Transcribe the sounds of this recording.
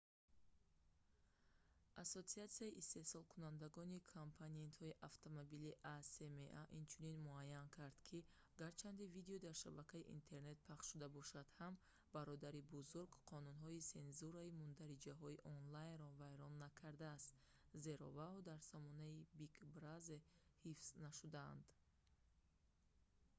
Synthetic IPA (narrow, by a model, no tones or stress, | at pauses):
ʔasot̪siat̪siaiʔist̪e̞hsɔlˠkʰunand̪aɡɔnikʰompʰanie̞nt̪hɔiʔaft̪ʰomobiliʔasemeʔaʔint͡ʃʰuninmuajːankʰaɾd̪̥kʰi | aɡaɾt͡ʃʰand̪ivid̪eɔd̪aɾʃabakʰaiʔḭnt̪ʰe̞ɾne̞t̪̚pʰaχʃʃud̪abɔʃad̪̥ham | baɾɔd̪aɾibuzuɾɡqʰɔnunɦɔise̞nzuɾaimund̪aɾid͡ʒaɦɔiʔɔnlajnɾɔvajɾɔnːakʰaɾd̪aːst̪ze̞ɾɔ̰vad̪aɾsɔmɔnaibikbɾazehifz̥naʃud̪a̰ːnd̪